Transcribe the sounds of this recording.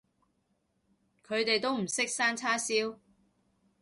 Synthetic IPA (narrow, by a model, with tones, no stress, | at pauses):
kʰɵ˨˧ɥt̪e˨jt̪o˥wm̩˨˩sɪ˥k̚saː˥nt͡sʰaː˥siː˥w